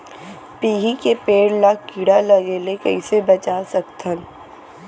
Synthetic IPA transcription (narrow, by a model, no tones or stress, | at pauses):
piːɦikepeːɽlakiːɽalɐɡeːlekɐisebɐt͡ʃaːsəkt̪ʰən